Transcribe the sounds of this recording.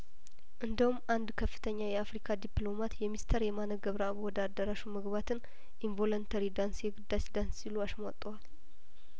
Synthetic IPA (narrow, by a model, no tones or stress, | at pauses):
ʔɨnd̪əhumːʔand̪kʰəfːɨ̥t̪ʰəɲːajɛafɾikʰad̪iplo̞mat̪jɛmist̪ʰəɾjɛmanəɡəβɾəawɔd̪ad̪əɾaʃuməɡβat̪ʰɨn | ʔiɱvo̞lont̪ʰəɾid̪ansjɛɡɨd̪ːat͡ʃd̪ansːiluasmat̪ʼːəwal